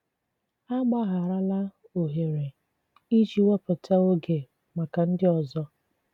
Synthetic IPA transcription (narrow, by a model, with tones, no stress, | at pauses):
a˦ɡ͡ba˦ɣa˨ɾa˦la˦ | o˨ɦe˨ɾe˨ | i˦d͡ʒi˨wa˦pa˨tʰa˦o˦ɡe˨ | ma˨ka˨n̩˦dɪ˦ɔ˨zɔ˦